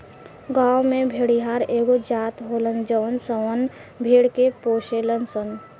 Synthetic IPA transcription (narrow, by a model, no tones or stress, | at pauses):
ɡaːwmẽbʱeːɽiɦaːɾeːɡod͡ʒaːt̪ɦoːlənd͡ʒəʋənsəʋən | bʱeːɽkepoːʃelənsən